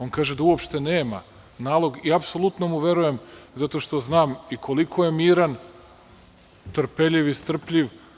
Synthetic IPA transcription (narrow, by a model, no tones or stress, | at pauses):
o̞nkaːʒed̪auopʃt̪e̞neːma̰ | naːlˠo̞ɡiapsolˠut̪no̞muʋje̞ɾuje̞mzat̪o̞ʃt̪o̞znaːmikʰo̞likʰo̞je̞miːɾan | t̪r̩pe̞ʎiʋist̪r̩pʎʲiʋ